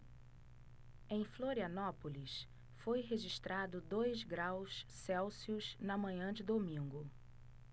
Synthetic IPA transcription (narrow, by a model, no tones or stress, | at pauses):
ẽj̃floɾiɐnɔpolis | fojɦeʒiʃt̪ɾad̪ʊd̪ojzɡɾawssɛwsiʊznɐmɐ̃ɲɐ̃d͡ʒɪd̪omĩŋɡʊ